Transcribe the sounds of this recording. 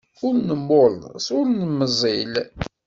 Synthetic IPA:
ʊɾnəmːolnsʊɾnəmːəzˤil

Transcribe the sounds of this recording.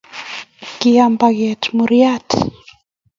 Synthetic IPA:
kiambaɡɛtmuɾiat

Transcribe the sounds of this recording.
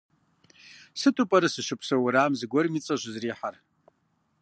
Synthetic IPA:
sɨtʼupʼɐɾɨsɨʃʊpʰsɐwʊɾaːmzɨɡʷɔrmit͡sʼɐʑʷzriːħar

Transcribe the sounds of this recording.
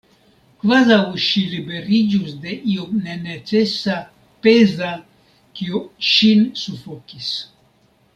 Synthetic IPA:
kvazawʃilibe̞ɾid͡ʒusde̞ʔiomnenet͡sesa | pe̞za | kiuʃinsufokis

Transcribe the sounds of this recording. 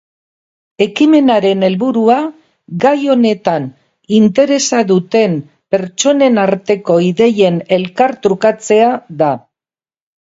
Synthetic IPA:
e̞kime̞naɾe̞ne̞lβuɾua | ɡajo̞ne̞t̪an | int̪e̞ɾe̞saðut̪e̞m | pe̞ɾt͡ʃo̞ne̞naɾt̪e̞ko̞iðe̞je̞ne̞lkaɾt̪ɾukat͡se̞aða

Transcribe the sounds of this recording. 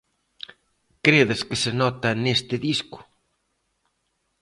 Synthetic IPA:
kɾeðɪskɪsɪnɔt̪ɐnest̪ɪðiskʊ̥

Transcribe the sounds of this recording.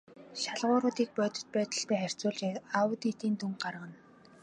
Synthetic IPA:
ʃaɮʁʊːɾʊːt̪iːk̚pœːt̪ə̥̆t̪̚pæːt̪ə̆ɮt̪æːχær̥ʲt͡sʊːɮt͡ɕaawət̪it̪iːnt̪ʰuŋɢarʁə̆n

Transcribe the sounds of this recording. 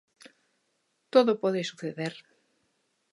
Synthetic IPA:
t̪oðopoðesuθeðeɾ

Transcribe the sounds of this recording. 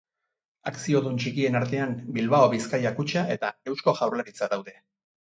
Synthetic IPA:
aksio̞ðunt͡ʃikie̞naɾt̪e̞ambilβaoβiskajakut͡ʃaʔe̞t̪ae̞wsko̞ʝawrlaɾit͡sad̪awðe̞

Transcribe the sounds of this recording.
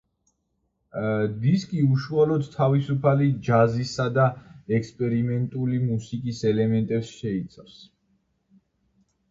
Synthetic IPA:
d̪iskʼiuʃualɔd̪t̪ʰavisupʰalid͡ʒazisad̪aɛkspʼɛɾimɛnt̪ʼulimusikʼisɛlɛmɛnt̪ʼɛpsʃɛit̪sʼafs

